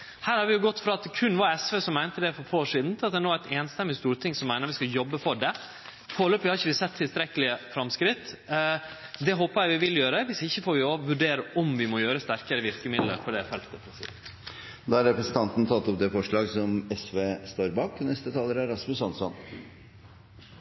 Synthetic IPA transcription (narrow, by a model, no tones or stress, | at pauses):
hæːɾhɑɾʋɪjʊɡɔt̪ːfɾɑɑt̪kʰʉnʋɑɾɛsʋeːsɔmːæɪnt̪əd̪ɛfɔɾfʰoːoːʂiːd̪n̩t̪ʰɪlɑt̪̚d̪ɛnoːæt̪eːnst̪ɛmːɪst̪uːɾt̪ʰɪŋsɔmːæɪnəɾʋɪskɑjɔbːəfɔɖɛ | foːløːpʋɪhɑɾɪçːəʋɪsɛt̪ʰːɪlst̪ɾɛkəlɪəfɾɑmskɾɪt̪ː | d̪ɛɦoːpəjæɪʋɪʋɪljøːɾəʋɪsɪçːəfoːɾʋɪoʋʉɖeːɾəʔɔmʋɪmɔjøːɾəst̪æɾkəɾəʋɪɾkəmɪd̪ləɾpʰɔd̪ɛfɛlt̪əpʰɔsḭː | d̪ɑːɑɾɛpɾɛsən̩t̪ɑnt̪n̩t̪ʰɑt̪ːɔp̚d̪ɛfɔʂɭɑːɡsɔmɛsʋeːst̪oːɾbɑːkɔnɛst̪ət̪ʰɑːlːəɾæɾɑsmʉsɑnsɔ̰n